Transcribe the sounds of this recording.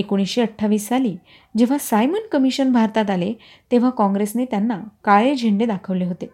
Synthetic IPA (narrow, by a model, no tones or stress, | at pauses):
ekoɽ̃isɕeəʈʰːaʋiːssaliː | d͡ʑeʋ̤asajmənkəmiɕənbʱaɾt̪at̪ale | t̪eʋ̤akɔ̃ŋɡɾesnet̪janːakaɭed͡ʑʱeɳɖed̪akʰəʋleɦot̪e